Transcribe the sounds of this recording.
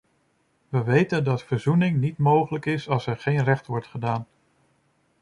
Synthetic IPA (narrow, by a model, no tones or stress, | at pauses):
ʋəʋejtəndɑtfəɹzunɪŋnitmowχələkɪsɑlˠsɛɹχejnrɛχtʋɔɹtχədaːn